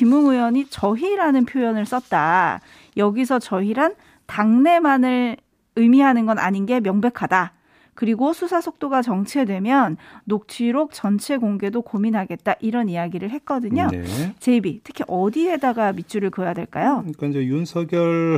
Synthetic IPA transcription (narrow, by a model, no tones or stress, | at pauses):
kimuŋujwʌɲit͡ɕʌɦiɾanɯnpʰjojʌnɯɭs͈ʌt̚t͈a̰ | jʌɡis̬ʰʌt͡ɕʌɦiɾan | taŋne̞manɯɭ | ɯmiɦanɯnɡʌna̰ɲinɡe̞mjʌŋbe̞kʰada | kɯɾiɡosʰusʰasʰok̚t͈oɡat͡ɕʌŋt͡ɕʰe̞dwe̞mjʌnːok̚t͡ɕʰiɾok̚t͡ɕʌnt͡ɕʰe̞ɡoŋɡe̞dokominɦaɡe̞t̚t͈aʔiɾʌnijaɡiɾɯɭhe̞t̚k͈ʌdɯɲo̰t͡ɕe̞bitʰɯ̥kʰiʔʌdiɦe̞daɡamit͡ɕ͈ʰuɾɯɭkɯʌjadwe̞̰ɭk͈ajokad͡ʑejunsʰʌɡjʌɭ